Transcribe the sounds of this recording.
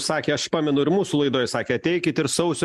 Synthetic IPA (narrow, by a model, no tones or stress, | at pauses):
sɑːkʲeːɐʃpɑːmʲɛnʊɪɾmuːsuːlˠɐɪd̪oːjsɑːkʲeːɐt̪ʲɛɪkʲɪt̪ɪɾsɐʊsʲʊ